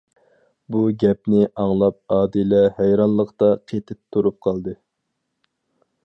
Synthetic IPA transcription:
buɡʲɛpnɪʔɑŋlˠɑp̚ɑːd̪ilɛhɛjɾɑnlˠəqt̪ɑqʰet̪ʰɪp̚t̪ʰːuɾup̚qʰɑlˠd̪ɨ

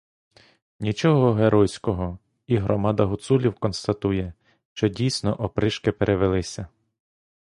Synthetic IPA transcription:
nʲit͡ʃɔɦɔɦeɾʔɔjsʲkɔɦɔ | iɦɾɔmɑd̪ɐɦʊt̪sulʲiwkɔnst̪ɐt̪ujɛ | ʃt͡ʃɔdʲijsʲnɔʔɔpɾɪʃkɪpeɾʔeʋelˠɪsʲɐ

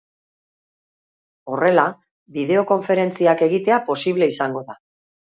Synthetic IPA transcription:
o̞re̞la | βiðe̞o̞ko̞ɱfe̞ɾe̞nt͡siake̞ɣ̞it̪e̞apo̞siβle̞isaŋɡo̞ða

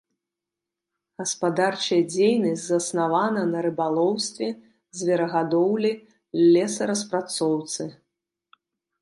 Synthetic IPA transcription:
ɣɐspad̪art͡ʂɐjɐd͡zʲejnɐsʲzɐsnavanɐnɐɾɨbalˠɔwst̪vʲɛ | zʲvʲɛɾɐɣad̪ɔwlʲi | lʲɛsɐɾɐs̬pɾat̪sɔwt̪sɨ

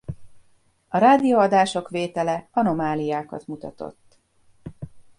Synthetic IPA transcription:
ɒɾaːd̪ijoːɒd̪aːʃo̞kʋeːt̪ɛlɛɒno̞maːlijaːkɒ̰t̪mut̪ɒ̰t̪o̞̰t̪ː

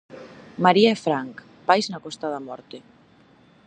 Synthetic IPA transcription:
maɾiaefɾaŋk | pajznakɔst̪aðamɔ̰ɾt̪ɪ

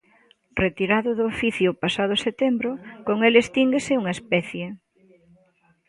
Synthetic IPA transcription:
ret̪iɾaðʊðʊːfiθjʊpasað̞ʊset̪embɾʊkoŋelest̪iŋɡesɪuŋɐespɛθje

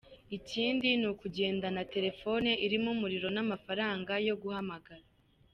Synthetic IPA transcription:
iciːndinukuɟe̞ːndanate̞ɾe̞fo̞neʔiɾimumuɾiɾo̞namafaɾaːŋɡajo̞ɡuhamaɡaɾa

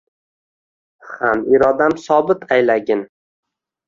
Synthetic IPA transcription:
hamiɾɒd̪amsɒbɪt̪ʰajlaɡʲɪn

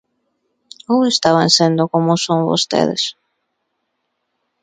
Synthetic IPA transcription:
owest̪aβãnsend̪okomosoŋβo̰st̪ḛðḛs

